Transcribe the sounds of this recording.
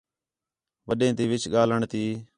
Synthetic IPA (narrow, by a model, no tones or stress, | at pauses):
ʋəɗẽːt̪iːʋɪt͡ʃʰɠaːləɳt̪iː